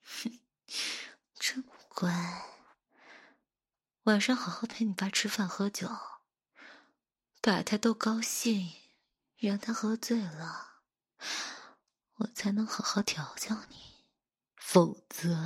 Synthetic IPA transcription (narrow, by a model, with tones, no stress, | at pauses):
ʈ͡ʂ̩ʰ˥pu˥˩kwa˥ | wa˨˩nʂɑ˥˧ŋxɑ˨˩xɑ˧˥ʊpʰe˧˥ɪni˨˩pa˨˩ʈ͡ʂʰɻ̩˥fa˥˩nxɤ˧˥t͡ɕjo˨˩˦ʊ | pa˨˩t̪ʰa˥ɪt̪o˥ʊkɑ˥ʊɕi˥˩ŋ˥˧ | a˧˥nt̪ʰa˥xɤ˧˥t͡swe˥˩ɪlə˩ | wɔ˨˩t͡sʰa˧˥ɪnɤ˧˥ŋxɤ˧˥xɑ˧˥t̪ʰjɑ˧˥ʊt͡ɕjɑ˥˩ʊni˨˩˦ | fo˨˩ʊt͡sɤ˧˥